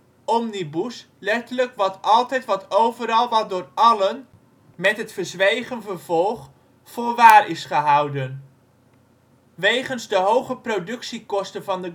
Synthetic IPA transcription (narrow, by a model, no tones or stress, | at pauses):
ɔmnibus | lɛtələkʋɑtɑlˠtɛjtʋɑtowvəɾɑlˠʋɑt̚dʊːɹɑlən | mɛtɦətfəɹzʋejχənvəɹv̥ɔlˠχ | fʊːɹʋaːrɪsχəɦɑwdən | ʋejχənzdəɦowχəprowdɵksikɔstənvɑndə